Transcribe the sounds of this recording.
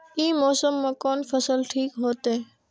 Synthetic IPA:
iːmoːsəmːãːkoːnfʰəsəlʈʰiːkɦoːt̪eː

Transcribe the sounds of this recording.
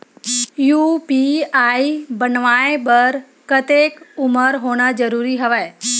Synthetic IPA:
juːpiaːibənʋaːẽbəɾ | kət̪eːkʊməɾɦoːɽ̃ad͡ʒəɾuːɾiɦəʋae

